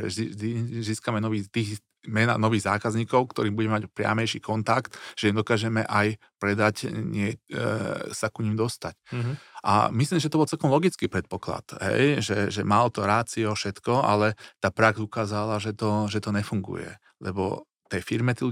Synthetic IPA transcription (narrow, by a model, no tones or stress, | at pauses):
ɛ̰iʒd̪iziːskamɛnɔʋiːt̪iːɣ | mɛna̰nɔʋiːɣza̰ːkazɲiːkɔʊkt̪ɔɾiːbuɟɛmɛmacpɾɪa̰mɛjʃiːkɔnt̪akt̪ʒ̥ɛimd̪ɔkaːʒɛmɛʔaj | pɾɛd̪acɲɪɛ | sakuɲimd̪ɔst̪acʔa̰misliːmsiʒɛt̪ɔbɔlt͡sɛlkɔmlɔɡit͡skiːpɾɛt̪̚pɔkla̰t̪ɦɛ̰jʒɛʒɛmalɔt̪ɔɾaːt͡siɔfʃɛt̪kɔa̰lɛt̪aːpɾaɡzukaːzalaʒɛt̪ɔʒɛt̪ɔɲɛfuŋɡṵjɛ̰ | lɛbɔ̰ | t̪ɛjfiɾmɛt̪ilu